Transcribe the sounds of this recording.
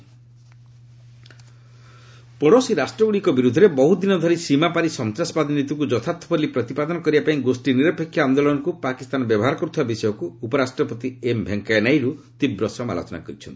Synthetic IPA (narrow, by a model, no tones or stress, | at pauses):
pɔɽosiɾasʈɾɔɡuɽikɔbiɾud̪ʱːɔɾebɔɦud̪inɔd̪ʱɔɾisimapaɾisɔnt̪ɾasɔbad̪ʱinit̪ukud͡ʒɔt̪ʰat̪ʰɔpɔɾlipɾɔt̪ipad̪ɔnɔkɔɾibapaĩɡosʈiniɾɔpekʰːjaːnd̪olɔnɔkupakist̪anɔbjɔbɔɦaɾɔkɔɾut̪ʰibabisɔjɔkuːpɔɾasʈɾɔpɔt̪iembʱeŋkaenajɾut̪ibɾɔsɔma̰lo̰t͡ʃɔna̰kɔɾit͡ʃʰɔnt̪i